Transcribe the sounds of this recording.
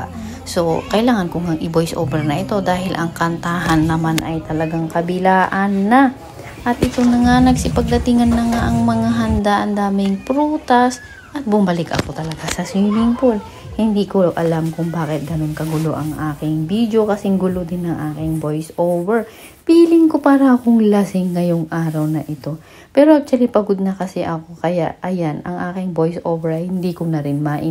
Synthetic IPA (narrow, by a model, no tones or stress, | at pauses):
so̞kɐʔɪlaːŋɐnkʊŋaŋʔɪbojsʔo̰wbɛɹnɐʔɪt̪o̞d̪aːhɪlʔɐŋkɐnt̪aːɦɐnːɐmanʔɐ̰jt̪ɐlɐɡaŋkɐbɪlaːʔɐnːɐ | ʔɐt̪ʔɪt̪o̞nɐŋanɐɡsɪpɐɡ̚d̪ɐt̪ɪŋɐnːɐŋaʔɐŋmɐŋaɦɐnd̪aʔɐŋd̪aːmɪŋpɾuːt̪ɐs | ʔɐt̪̚bʊmbɐlɪkʔɐ̰kot̪ɐlɐɡasɐswiːlɪŋpol | hɪnd̪iːkoʔɐlamkʊŋbaːkɪt̪̚ɡɐno̞nkɐɡʊlo̰ʔɐŋʔaːkɪŋbiːd̪jo̞kɐsɛŋɡʊlod̪ɪnɐŋʔaːkɪŋbojsʔowvɛɹ | piːlɪŋko̞paːɾɐʔkoŋlasɪŋːɐjoŋʔaːɾɐwnɐʔɪt̪o̞ | pɛːɾoʔaːk̚t̪wɐlipɐɡʊd̪̚nɐkɐsɛʔɐko̞kɐja̰ʔɐjanɐ̰ŋʔaːkɪŋbo̞jsʔoːvɛɹhɪnd̪iːkonɐɾɪnmaʔɪ